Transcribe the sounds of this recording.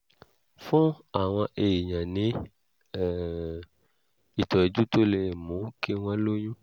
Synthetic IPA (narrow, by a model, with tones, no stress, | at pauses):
fũ˦ | a˨w̃ɔ̃˧ʔe˨i˨ɲã˨nĩ˨˦˨ | i˨tɔ˨e˨d͡ʒu˦to˦le˨mũ˨˦ke˦w̃ã˦lo˦ɲũ˦